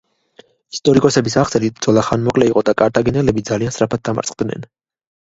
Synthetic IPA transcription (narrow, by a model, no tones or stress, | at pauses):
ist̪ʼɔɾikʼɔsɛbisaʁt̪sʰʼɛlid̪zɔlˠaχanmɔkʼlɛiqʼɔd̪akʼaɾt̪ʰaɡɛnɛlɛbid̪zaliansɾapʰat̪̚d̪ama̰ɾsʼd̪nɛ̰n